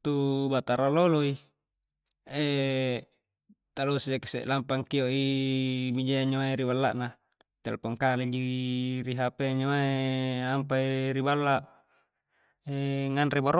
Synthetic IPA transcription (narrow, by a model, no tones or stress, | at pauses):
t̪ubat̪aɾaloloi | e | t̪alosieksḛʔlampaŋkioʔi | mid͡ʒeaɲoaiɾibalːa̰ʔna | t̪ḛlpoŋkaled͡ʒiɾiɦapeɲoaeampaiɾibalːaʔ | eŋanrebaɾo